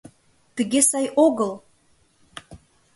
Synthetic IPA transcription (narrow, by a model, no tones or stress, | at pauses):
t̪ə̆ɣesɑjʔoɣəl